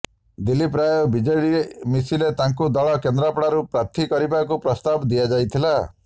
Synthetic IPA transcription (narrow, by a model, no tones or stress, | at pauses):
d̪ilːip̬ɾajɔbid͡ʒɔɽiemisilet̪aŋkud̪ɔɭɔkend̪ɾapɽaɾupɾat̪ʰikɔɾibakupɾɔst̪abd̪iad͡ʒajt̪ʰila